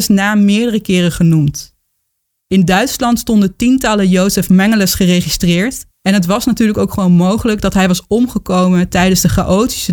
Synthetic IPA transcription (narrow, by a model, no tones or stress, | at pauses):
snaːmɪːɹdərəkɪːrəχənumt | ɪndœɥtslɑntstɔndətintɑləjowsəfmɛŋələsχərejχistrɪːɹt | ɛnɦətʋɑsnatyːɹləkowkχəʋownmowχələɡ̚dɑtɦɛjʋɑsɔmχəkowmətɛjdənzdəχaʔowti̥sə